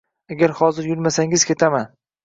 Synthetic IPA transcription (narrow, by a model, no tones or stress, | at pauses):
aɡʲaɾhɒzɪɾjʊlmasaŋɪzkʲʰe̞t̪ʰaman